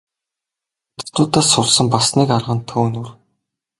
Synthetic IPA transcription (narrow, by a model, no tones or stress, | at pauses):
t̪ʊ̥t̪ʊːt̪aːsʊɮsə̆mpasniːkarʁə̆nt̪ʰoːnur